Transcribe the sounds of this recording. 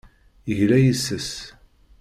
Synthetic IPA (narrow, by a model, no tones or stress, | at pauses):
əʝlæjəsːəs